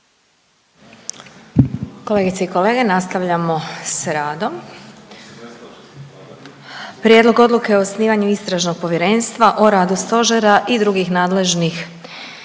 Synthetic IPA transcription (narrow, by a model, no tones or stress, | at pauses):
ko̞le̞ːɡit̪seiko̞le̞ːɡe̞nast̪aʋʎamo̞sɾaːd̪o̞m | pɾʲjed̪lˠo̞ɡo̞d̪luke̞osniːʋaɲuist̪ɾaʒno̞ɡ̚po̞ʋjeɾe̞nst̪ʋaʔoɾaːd̪ust̪o̞ʒeɾaʔid̪ɾuɡixnaːd̪le̞ʒnix